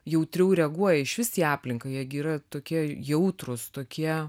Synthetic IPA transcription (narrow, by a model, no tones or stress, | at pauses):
jɛʊt̪ʲɾʲɛʊɾʲɛɐɡuɔjɛɪʃʋʲɪsʲiːɑːpʲlʲɪŋkɐɪjɛɡʲiːɾɐt̪oːkʲiɛjɛʊt̪rʊst̪oːkʲiɛ